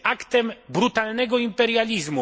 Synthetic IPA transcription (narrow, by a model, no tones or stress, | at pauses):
akt̪ɛmbɾut̪alnɛɡɔimpɛɾjalʲizmu